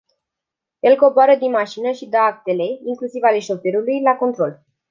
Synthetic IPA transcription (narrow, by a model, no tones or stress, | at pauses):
je̞lko̞boaɾəd̪inmaʃinəʃid̪əak̚t̪e̞le̞iŋklusivale̞ʃo̞fe̞ɾulujlako̞nt̪ɾo̞l